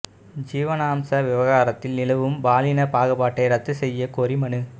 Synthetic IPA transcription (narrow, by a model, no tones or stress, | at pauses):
d͡ʒiːʋɐnaːmsɐʋɪʋɐɣaːɾɐt̪ːɪlnɪlɐʋɯmbaːlɪnɐpaːɣɯbaːʈːɐɪɾɐt̪ːɯsɛjːɐkoːɾimɐɳɯ